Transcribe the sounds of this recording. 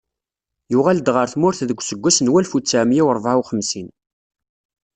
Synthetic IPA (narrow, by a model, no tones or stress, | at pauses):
jʊʁæld̪ʁəɾθmʊɾθðəɡʷsəɡʷːæsənwælfut͡sːæmjæwɾˤvʕawχəmsin